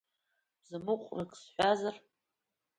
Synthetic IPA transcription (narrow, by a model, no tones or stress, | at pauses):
zɨmɨqʷʼrɨkʼsħʷazar